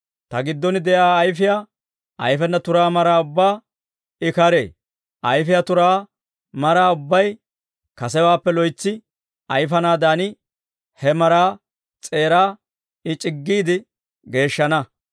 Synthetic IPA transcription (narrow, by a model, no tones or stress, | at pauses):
t̪ɐɡɪd̪ːɔnɪd̪ɛjaːjfɪja | ʔɐjfɛnːɐt̪ʊɾaːmɐɾaːʊbːaː | ɪkɐɾe̞̰ː | ʔɐjfɪjat̪ʊɾaː | mɐɾaːʊbːɐj | kɐsɛwaːpːɛlɔjt͡sːɪ | ɐjfɐnaːd̪aːnɪ | hɛmɐɾaː | t͡sʼe̞ːɾaː | ɪt͡ʃʼɪɡːiːd̪ɪ | ɡe̞ːʃːɐnɐ